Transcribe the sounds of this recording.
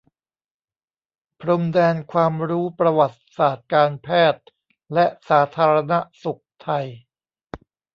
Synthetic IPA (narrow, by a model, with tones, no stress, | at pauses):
pʰɾo˧mdɛː˧nkʰwaː˧mɾuː˦˥pɾa˧wa˨˩t̪̚saː˨˩t̪̚kaː˧npʰɛː˥˩t̪̚ | lɛ˦˥ʔsaː˩˦t̪ʰaː˧ɾa˧na˦˥ʔsu˨˩k̚t̪ʰa˧j